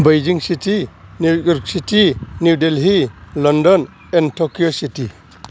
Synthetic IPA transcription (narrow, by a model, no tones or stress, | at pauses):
bɐjd͡ʒiŋsitinujɔɾk̚sitinuudelɦilɔndɔn | entʰokiositi